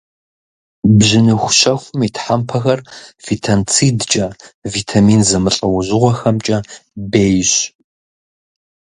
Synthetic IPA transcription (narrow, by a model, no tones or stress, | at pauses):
bʑɪnɨxʷʊɕɐxʷʊmitʰħampʰɐxɐrv̥itʰɐnt͡sʰidt͡ʃʼɐvitʰamiːnzɐmɨɬʼɐwʊʑɪʁʷɔxɐmt͡ʃʼɐbeːjɕ